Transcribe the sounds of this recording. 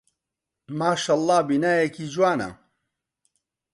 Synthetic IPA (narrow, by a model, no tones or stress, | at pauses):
maːʃaːlˤːɑːbinaːjekiːd͡ʒwaːnɐ̰